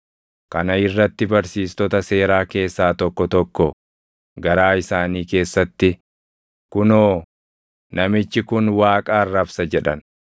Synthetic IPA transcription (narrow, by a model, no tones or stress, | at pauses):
kɐnɐɪrːɐt̪ːɪbɐɾsiːst̪ɔt̪ɐse̞ːɾaːke̞ːsːaːt̪ɔkːɔt̪ɔkːɔ | ɡɐɾaːɪsaːniːke̞ːsːɐt̪ːɪ | kʊnoː | nɐmɪt͡ʃːɪkʊnwaːkʼaːrːɐbsɐd͡ʒɛᶑɐn